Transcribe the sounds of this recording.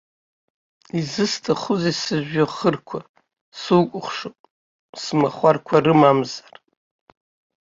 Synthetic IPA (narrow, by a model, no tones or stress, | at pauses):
izɨstʰaχʊzesɨʒᶣaχərkʷʰa | suwkʷʼʊχʷʂɨ | smaχʷarkʷʰarɨmamzar